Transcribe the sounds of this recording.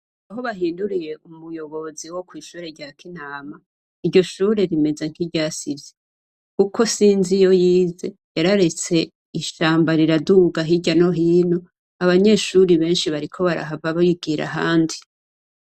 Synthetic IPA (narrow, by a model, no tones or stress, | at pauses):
aɦo̞βaɦiːnduɾije̞umujo̞βo̞ziwo̞kwiːʃuːɾe̞ɾɟaːkʰinaːma | iɾɟo̞ʃuːɾe̞ɾime̞ze̞ŋ̥hiɟaːsivje̥ | kukʰo̞siːnzijo̞jiːze̞jaɾaɾe̞t͡se̞ | iʃaːmbaɾiɾaduɡaɦiɟano̞ɦiːno | aβaɲe̞ʃuɾiβe̞ːnʃiβaɾikʰo̞βaɾa̰ɦavaβajiɡ̥iːɾa̰ɦaːndi